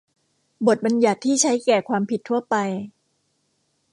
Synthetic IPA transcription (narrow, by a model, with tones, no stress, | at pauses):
bo˨˩t̪̚ba˧nja˨˩t̪ʰːiː˥˩t͡ɕʰa˦˥jkɛː˨˩kʰwaː˧mpʰi˨˩t̪ʰːu˥˩ɐpa˧j